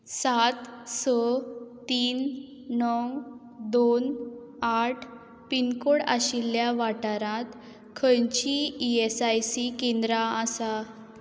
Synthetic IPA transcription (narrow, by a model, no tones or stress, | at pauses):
sat̪sɔt̪iːnː | ɔw | d̪on | aʈʰ | pinkoɽa̰ɕilːjaʋaʈaɾãt̪ | kʰəjt͡ɕiiesajsikend̪ɾaːsa